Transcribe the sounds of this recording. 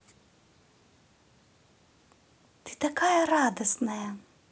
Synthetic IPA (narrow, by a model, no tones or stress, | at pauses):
t̪it̪akaːjaɾaːd̪ɔsnaja